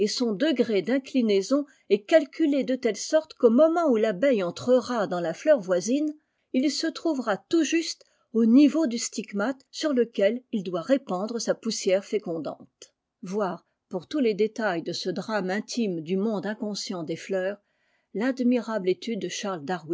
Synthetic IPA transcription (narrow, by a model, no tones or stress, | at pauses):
esɔ̃d̪əɡʁed̪ɛ̃klinezɔ̃ | ɛkalkʲyled̪ət̪ɛlsɔʁt̪komɔmɑ̃ulabɛjɑ̃t̪χəʁad̪ɑ̃laflœʁvwazin | ilsət̪χuvʁat̪uʒyst̪ | onivod̪yst̪iɡmat̪syʁləkʲɛlild̪waʁepɑ̃d̪ʁəsapusjɛʁfekɔ̃d̪ɑ̰̃t̪ | vwaːʁ | puʁt̪uled̪et̪ajd̪əsəd̪ʁamɛ̃t̪ʰimd̪ymɔ̃d̪ɛ̃kɔ̃sjɑ̃d̪eflœːʁ | lad̪miʁablet̪yd̪ːəʃaʁld̪aʁwi